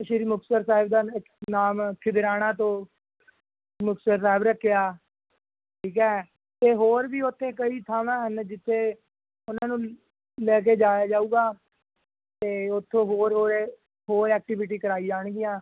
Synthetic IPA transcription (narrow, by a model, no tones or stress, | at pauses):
ʃɪɾiːmʊksəɾsaːɪbd̪aːɪknaːmkʰːɪd̪ɪɾaːɽ̃aːt̪õː | mʊksəɾsaːɪbɾəkʰːejaː | ʈʰiːkɛː | t̪eːɦoːɾbiːʊt̪ʰːẽːkəiːt̪ʰaːmãːɦənd͡ʒɪt̪ʰːeː | ʊnãːnũː | lɛːk̬eːd͡ʒaːjaːd͡ʒaːuːɡaː | t̪eːʊt̪ʰːõːɦoːɾɦoːɾe | ɦoːɾɛːk̚ʈɪʋɪʈ̬iːkəɾaːiːd͡ʒaːɽ̃ɡɪjãː